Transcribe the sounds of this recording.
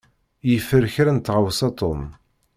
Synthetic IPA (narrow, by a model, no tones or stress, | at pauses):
jəfəɾçɾænt̪ːʁəwsɑt̪ˤom